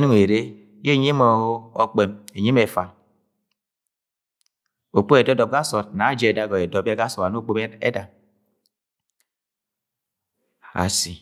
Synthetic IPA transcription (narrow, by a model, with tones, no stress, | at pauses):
nu˦ŋ˨e˨ɾe˦ | je˦˨ɲi˦mɔ˨ho˦ɔ˦k͡pe˨me˨ɲi˦me˨fa˨ | o˨k͡po˦e˨dɔ˦dɔ˨b̚ɡa˦sɔ˨t̚na˨˦d͡ʒe˨e˨da˦ɡɔ˨e˨dɔ˨pe˦ɡa˦sɔ˨ta˨no˦˨k͡po˦me˦ḛ˦da˨ | a̰˨si˨